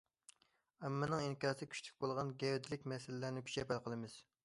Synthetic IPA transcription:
æmːɪnɨŋiŋkʲɑːsɨkʲʰy̥ʃʲt̪ʰy̥kʲbolˠʁɑnɡʲɛwd̪ɪlɪkʲmɛsɪlɪlæɾnɪkʲʰy̥t͡ʃɛpælqʰəlˠɨmɪz̥

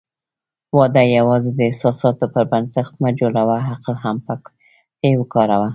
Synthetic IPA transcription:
wɑd̪ajawɑzed̪əɪhsɑsɑt̪opəɾbansaxt̪̚mad͡ʒolawaɦaqlhampə | pewəkɑɾawa

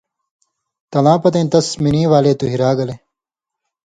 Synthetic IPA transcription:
t̪ɐlãːpɐt̪ẽːnt̪ɐsminiːʋaːleːt̪uɦiɾaːɡɐle

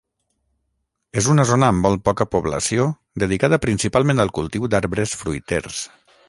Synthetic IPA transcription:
ezunəzonəːmbɔlˠpɔkəpuβlə̰sio | d̪əð̞ikað̞əpɾinsipalˠmẽnd̪əlˠkulˠt̪iwd̪aɾβɾəsfɾujt̪ḛɾs

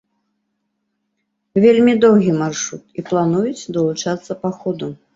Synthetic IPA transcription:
vʲelʲmʲid̪ɔwɣʲimarʂɾut̪iplˠanujut͡sʲd̪ɐlˠut͡ʂat̪sːɐpaxɔd̪u

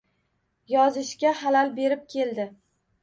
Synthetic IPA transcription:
jɒzɪʃkʲahalalbe̞ɾɪp̚kʲʰe̞ld̪ɪ

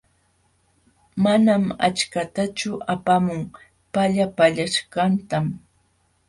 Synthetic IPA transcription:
manama̰t͡ʃkat̪at͡ʃʊapamʊŋ | paʎapaʎaʃɢɑnt̪am

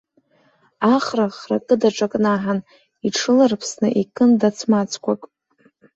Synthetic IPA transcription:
aχraχra̰kʼɨdaʈ͡ʂʼakʼnaħan | iʈ͡ʂʰɨlarpʰsnɨ̰ʔikʰʼɨndat͡sʰmat͡sʰkʷʰakʼ

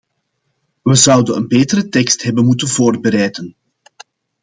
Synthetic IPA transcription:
ʋəzʌwdənənbeːtəɾətɛkstɦɛbənmutənvoːrbəɾɛjdən

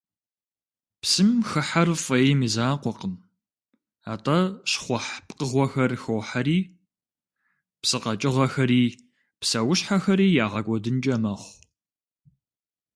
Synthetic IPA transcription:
psɨmxɨħarfʼɐjemizaːqʷɔqəm | aːtʼɐɕχʷɔħpʼqəʁʷɔxɐrxoːħaɾiː | psɨqɐt͡ʃʼɪʁɐxɐɾiː | psɐwʊɕħaxɐɾiːjaːʁɐɡʷɔdɨnd͡ʒʼɐmɐχʷ

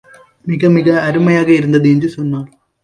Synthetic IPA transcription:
miɡɐmiɡɐːɾumɐjaːɣɐiɾund̪ɐd̪iɲd͡ʑɨsunːaː

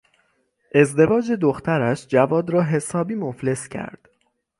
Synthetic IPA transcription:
ʔe̞zd̪e̞vɒːd͡ʒe̞d̪oxt̪ʰæɾæʃd͡ʒævɒːd̪ɾɒːɦe̞sɒːbiːmofle̞scʰæ̰ɾd̪̥

